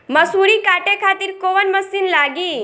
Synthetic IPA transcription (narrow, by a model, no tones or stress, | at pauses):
məsuɾikaːʈekʰaːt̪iːɾkoːʋənməsinlaːɡiː